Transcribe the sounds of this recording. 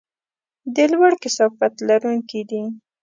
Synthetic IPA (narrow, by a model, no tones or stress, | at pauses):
d̪əlwaɽkɪsɑfat̪laɾuŋkid̪i